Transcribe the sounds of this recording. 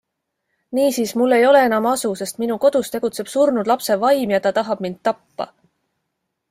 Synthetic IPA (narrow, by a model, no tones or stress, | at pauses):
niːsiːsmulːe̞jo̞le̞e̞nɑmɑsuse̞st̪minuko̞d̪̥ust̪e̞ɡ̥ut̪se̞b̥surnud̪lɑpse̞vɑjmjɑt̪ɑt̪ɑɦɑb̥mind̪̥̚t̪ɑpːɑ̰